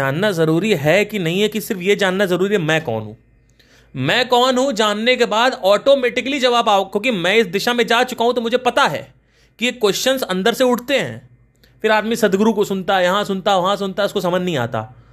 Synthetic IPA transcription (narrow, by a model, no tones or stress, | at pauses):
aːnːazɐɾuːɾiɦɛkinɐɦĩɦɛkisɪɾfjed͡ʒaːnːazɐɾuːɾiɦɛmɛ̃ːkɔ̰ːnɦṵ̃ː | mɛ̃ːkɔːnɦũd͡ʒaːnːekebaːd̪ɔːʈoːmeːʈɪkəlid͡ʒɐbaːpaːokjõːk̬imɛ̃ːɪsd̪ɪʃamẽd͡ʒaːt͡ʃʊkaːɦũt̪omʊd͡ʒʱepɐt̪aɦɛ̰ː | kiekːwɛst͡ʃənsɐ̃nd̪əɾseʊʈʰt̪eɦɛ̰̃ː | fɪɾaːd̪misɐd̪ɡɾukosʊnt̪aɛjɐɦãsʊnt̪aʋɐɦãsʊnt̪aɛʊskosɐmənnɐɦĩa̰ːt̪a̰ː